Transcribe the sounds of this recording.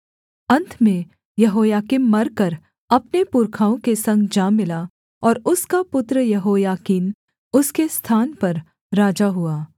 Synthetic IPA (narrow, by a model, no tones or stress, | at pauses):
ɐ̃nt̪ʰmẽ | jɐɦoːjaːkinmɐɾkɐɾ | ɐpnepʊɾkʰaːõkesɐ̃ŋɡd͡ʒaːmɪla | ɔːɾʊskapʊt̪ɾəjɐɦoːjaːkiːn | ʊskest̪ʰaːnpɐɾ | ɾaːd͡ʒaɦuaː